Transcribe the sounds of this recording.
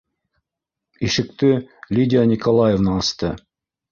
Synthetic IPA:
iʃɘ̆k̚t̪ɘlʲidʲanʲikolˠajevnɑɑst̪ɤ

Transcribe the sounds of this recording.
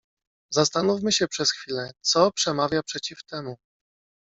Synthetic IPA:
zast̪anufmɘɕɛpʂɛsxfʲilɛt̪sɔpʂɛmavʲjapʂɛt͡ɕift̪ɛmu

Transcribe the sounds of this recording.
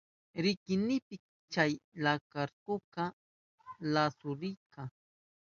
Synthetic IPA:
ɾɪkɪnɪpɪk̚ | t͡ʃajlakaɾkʊka | lasʊɾɪjka

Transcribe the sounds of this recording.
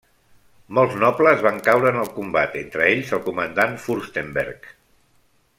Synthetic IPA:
mɔlˠznɔpləzβaŋkawɾəːnəlˠkumbat̪ent̪ɾəeʎzəlˠkumənd̪anfuɾst̪embɛ̰ɾk

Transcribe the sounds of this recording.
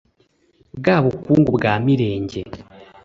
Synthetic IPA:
ɡaβukuːŋɡubɡaːmiɾe̞ːɲɟe̞

